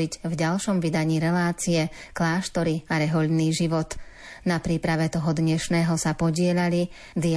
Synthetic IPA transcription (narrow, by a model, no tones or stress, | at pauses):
iɟvɟalʃɔmʋid̪aɲiːɾɛlaːt͡siɛklaːʃt̪ɔɾiaɾɛɦɔʎniːʒiʋɔt̪ | napɾiːpɾaʋɛt̪ɔɦɔd̪ɲɛʃnɛːɦɔsapɔɟɪɛʎali | d̪i